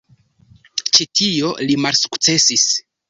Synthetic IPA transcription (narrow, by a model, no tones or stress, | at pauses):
t͡ʃitʰio̞limalsu̥kt͡se̞sis